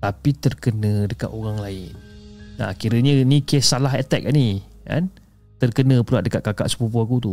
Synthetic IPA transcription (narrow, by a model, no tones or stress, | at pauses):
t̪apit̪ərkənə̃dəka̰t̪oɣaŋlaɪnːa̰kiɾəɲənikesːalaɦɛt̪ɛk̚ni | ka̰n | t̪ərkənə̃pəlaʔ̚dəkat̪̚kaka̰ʔsə̥pup̬uakut̪u